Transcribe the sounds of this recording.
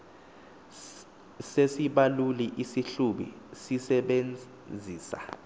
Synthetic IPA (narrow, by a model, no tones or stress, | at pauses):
sesiɓaluliʔisiɬuɓḭ | sisɛɓen | d͡zʱiːsa̰